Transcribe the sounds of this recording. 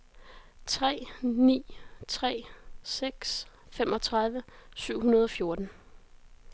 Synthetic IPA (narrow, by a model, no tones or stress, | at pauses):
t͡sʰʁɛ̰ːnḭːt͡sʰʁɛ̰ːseɡ̥sfemʔɒ̽t͡sʰʁɑ̈ðˠʋəsyʊ̰ɦunɐð̞ˠɒ̽fjo̝ɐd̥n̩